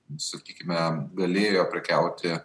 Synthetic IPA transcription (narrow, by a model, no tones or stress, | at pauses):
sɐkʲiːkʲɪmʲɛɡɐlʲeːjoːpʲɾʲɪkʲɛʊt̪ʲɪ